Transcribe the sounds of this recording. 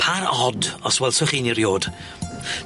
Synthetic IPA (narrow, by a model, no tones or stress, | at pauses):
pʰaɾɔdɔswɛlˠsʊχiːniɾjoːd̥